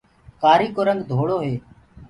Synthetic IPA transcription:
kaːɾiːkoːɾəŋɡd̪ʱoːɽoːɦeː

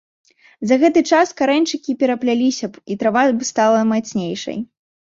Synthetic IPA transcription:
zɐɣɛt̪ɨt͡ʂaskaɾɛnʲt͡ʂɨkʲipʲɛɾɐplʲalʲisʲɐit̪ɾavabɨst̪alˠɐmat̪sʲnʲejʂɐ̰j

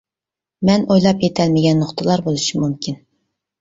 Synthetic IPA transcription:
mɛnojlˠɑpjet̪ʰɛlmɪɡʲɛnːoχt̪ʰəlˠɑɾbolˠɨʃimumkʲin

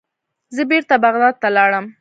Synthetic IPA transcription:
zəbeɾt̪abaɣd̪ɑd̪̚t̪alɑɽəm

